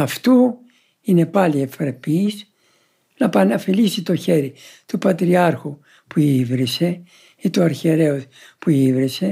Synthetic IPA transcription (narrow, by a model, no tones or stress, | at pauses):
ɐft̪u | ine̞pɐlie̞fɾepis | nɐpɐnɐfilisit̪o̞çe̞ɾit̪upɐt̪ɾiɐɾxu | puivɾise̞ | it̪uɐɾçeɾe̞ospuivɾise̞